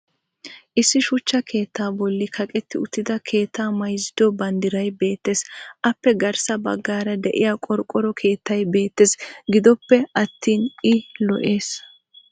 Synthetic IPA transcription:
ʔɪsːɪʃʊt͡ʃːɐkʰe̞ːt̪ːaːbɔlːɪkʰɐkʼɛt̪ːɪʊt̪ːɪd̪ɐkʰe̞ːt̪ːaːmɐjzːɪd̪ɔbɐnd̪ɪɾɐjbe̞ːt̪ːe̞ːsʔɐpːɛɡɐɾsɐbɐ̰ɡːaːɾɐd̪ɛʔɪjaːkʼɔɾkʼːɔɾɔkʰe̞ːt̪ːɐjbe̞ːt̪ːeːsɡɪd̪ɔpːɛʔɐt̪ːiːnɪlɔ̰ʔe̞ːs

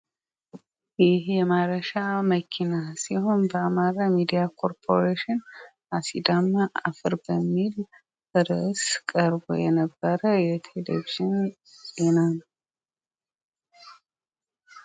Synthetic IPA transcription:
jɪhjɛmaɾəʃaməkʰinasiho̞nbəamaɾamid̪ijakʰo̞ɾpʰo̞ɾeʃɪn | asid̪amaʔa̰fɨɾbəmːil | bəɾəskʼəɾbo̰jɛnəbːəɾəjɛt̪ʰelḛviʒɪn | zenan

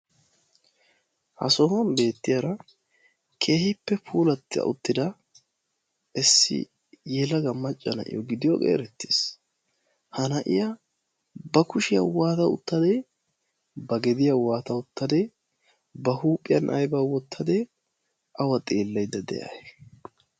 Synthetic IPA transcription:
hɐ̰soːmɐmbe̞ːt̪ːɪjɐɾɐ | kʰe̞ːhɪpːɛpʰuːlɐt̪ːɪɐ̰ʔʊt̪ːɪd̪ɐ | ɛsːɪ̰ | jɛlɐɡɐmːɐt͡ʃʼːɐnɐ̰ʔɪ̰jɔɡɪd̪ɪjɔɡʼḛːɾɛt̪ːeːs | hɐnɐʔɪ̰jɐ | bɐkʊʃɪjɐ̰waːt̪ɐʊ̰t̪ːɐd̪e | bɐɡɛd̪ɪjɐwaːt̪ɐʊt̪ːɐd̪e | bɐhuːpʼːɪjɐnʔɐ̰jbawɔt̪ːɐd̪e | ʔɐwɐt̪ʼeːlːɐjd̪ːɐd̪ɛ̰ja̰jɛ

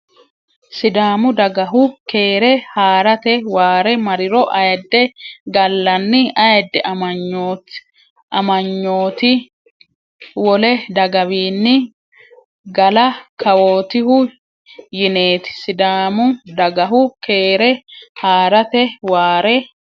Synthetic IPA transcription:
sɪd̪aːmʊd̪ɐɡɐɦʊke̞ːɾɛhaːɾɐt̪ɛwaːɾɛmɐɾɪɾɔʔɐjɛd̪ːɛɡɐlːɐnːɪɐjɛd̪ːɛʔɐɐɲːoːt | ʔɐmɐɲːo̞ːt̪ɪ | wɔlɛd̪ɐɡɐbiːnːɪ | ɡɐlɐkʰɐwoːt̪ɪhʊ | jɪne̞ːt̪ɪ̥sɪd̪aːmʊd̪ɐɡɐɦʊkeːɾɛhaːɾɐt̪ɛwaːɾɛ

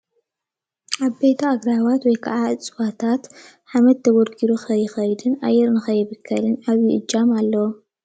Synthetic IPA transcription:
ʔaβbet̪ʰɐːɡɾawat̪wɔjkʰaʕaɨt͡sʼwat̪ʰat̪ | ħamɐt̪̚ʰːɐɡoɾɡʰiɾuxɐjɪxɐjd̪ɨnʔa̰jːɛɾnɨxɐjɨβɨkʰːɐlɨnaβjiʔɨd͡ʒːamalːɐwo

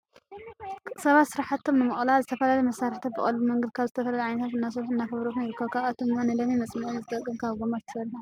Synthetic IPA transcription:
sɐβat̪sɨɾaħat̪ʰːomnɨmɨχʼlazɨt̪ʰɐfɐlalɐmɐsaɾt̪ʰat̪̚bɨ̰χʼɐ̰lːmɐŋɡɐd̪̚kʰaβzɨt̪ʰɐfɐlalɐʕajnɐt̪ʰat̪ɨnːas̬oβħɨnːaxɨβɾokunjɪɾɨkʰːɐβkʰaβat̪ʰɨmːanɐd̪ɐmimɐsʼmɐʔuzɨt̪ʼɐkʼɨmkʰaβɡomat̪ʰɨ̥sɐɾħu

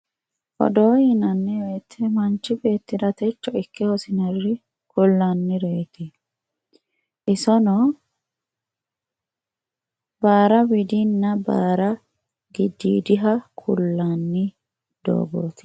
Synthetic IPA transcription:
ʔɔ̰d̪oːjɪnɐnːɛeːt̪ʰːɛmɐnt͡ʃːɪbe̞ːt̪ːɪd̪ɐt̪ɛt͡ʃːɔɪkːɛhɔsɪnɐrɪ | kʊlːɐnːɪɾeːt̪ɛ | ʔɪsɔnɔ | baːɾɐbɪd̪inːɐbaːɾɐ | ɡɪd̪ːḭːd̪ɪɦɐkʰʊlːanːɪ | d̪̥o̰ːɡo̰ːt̪ɪ̥

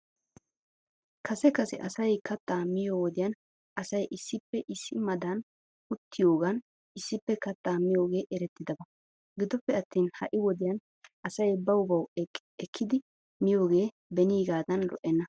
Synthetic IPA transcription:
kʰɐsɛkɐsɛ̰ʔɐsɐjkɐt̪ːaːmɪjo̞ːwɔd̪ɪjɐn | ɐsɐjʔɪsːɪpːɛʔɪsːɪmɐd̪ɐn | ʊt̪ːɪjo̞ːɡɐn | ɪsːɪpːɛkɐt̪ːaːmɪjo̞ːɡe̞ːʔɛɾɛt̪ːɪd̪ɐbɐ | ɡɪd̪ɔpːɛɐt̪ːiːnhɐ̰ʔɪwɔd̪ɪjɐn | ʔɐsɐjbɐwʊbɐw | ɛkʰːɪd̪ɪ | mɪjo̞ːɡe̞ː | bɛniːɡaːd̪ɐnlɔ̰ʔɛnːɐ

